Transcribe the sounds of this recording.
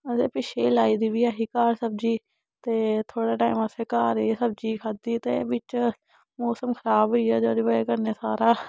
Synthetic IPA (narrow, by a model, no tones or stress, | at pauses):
seːpɪʃeːlaːiːd̪iːʋiːaːɦiːkaːɾsəb̚d͡ʒiː | t̪eːt̪ʰoːɽaːʈaːiməseːkaːɾeːsəb̚d͡ʒiːkʰad̪iːt̪ḛːbɪt͡ʃ | moːsəmkʰəɾaːbɦʊiːaːd͡ʒoːɾɪʋaeːkəɾneːsaːɾaː